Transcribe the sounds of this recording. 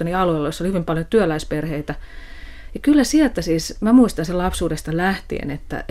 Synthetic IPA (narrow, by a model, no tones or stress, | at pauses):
oniɑluelːɑjosːolihyʋimpɑljot̪yølæisperheit̪æ | jɑkylːæsiɛlt̪æsiːsmæmuist̪ɑnselɑpsuːdest̪ɑlæht̪ḭḛnḛt̪ːæ̰